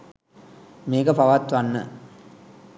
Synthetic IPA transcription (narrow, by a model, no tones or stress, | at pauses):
meːɡɐpaʋat̪ʋanːə̰